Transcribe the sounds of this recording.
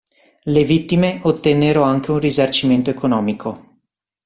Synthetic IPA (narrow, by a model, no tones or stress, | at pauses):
levit̪ːimeot̪ːenːeɾoaŋk̟eunrizart͡ʃiment̪oekonɔːmikʰo